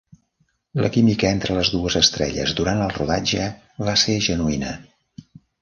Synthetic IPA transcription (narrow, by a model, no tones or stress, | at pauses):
ləkimikəent̪ɾələzðuəzəst̪ɾɛ̰ʎə̰zduɾant̪əlˠruða̰d͡ʒə | βaseʒənuinə